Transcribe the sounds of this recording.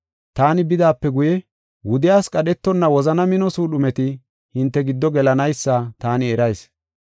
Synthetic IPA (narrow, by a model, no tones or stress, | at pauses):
t̪aːnɪbɪd̪aːpːɛɡʊjɛ | wʊd̪ɪjaːskʼɐɗɛt̪ːɔnːɐwɔzɐnɐmɪnɔsuːɗʊmɛt̪ɪ | hɪnt̪ːɛɡɪd̪ːɔɡɛlɐnɐjsːat̪aːnɪɛɾɐjs